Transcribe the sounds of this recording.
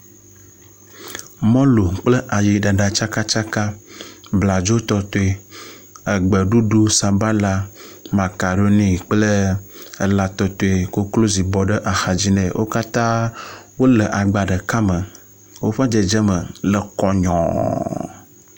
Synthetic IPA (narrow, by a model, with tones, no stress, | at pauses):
mɔ̃˦lo˨k͡plə˦ʔa˨ji˨ɖa˨ɖa˨t͡ʃa˦ka˦t͡ʃa˦ka˦bla˨d͡ʒo˦t̪ɔ˨t̪o˦e˨ | ə˨ɡ͡bə˨ɖu˦ɖu˦sa˨ba˦la˨ma˨ka˨ɖo˦nĩ˨k͡plə˦ə˨la˨t̪ɔ˨t̪o˨e˨ko˦klo˦zi˨bɔ˨ɖə˦ʔa˨xa˨d͡ʑi˦nɛ̰̃˨wʔo̰˦ka˦t̪ã˦wo˦lə˨ʔa˨ɡ͡ba˨ɖə˨ka˦mə˨ | wo˦ɸa˦d͡ʒə˨d͡ʒə˦mə˨lə˨kɔ˦ɲɔ̰̃˨